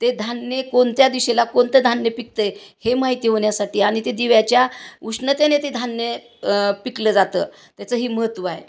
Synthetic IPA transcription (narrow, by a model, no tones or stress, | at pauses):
t̪ed̪ʱanːekoɳt̪jad̪iɕelakont̪əd̪ʱanjəpik̚t̪əjhemaɦit̪iːɦoɳjasaʈiːaɽ̃it̪ed̪iʋjat͡ɕjauʂɳət̪enet̪ed̪ʱanjə | pikləːd͡zat̪ə̰ː | t̪jat͡səɦiːməɦət̪ːʋəaɦḛ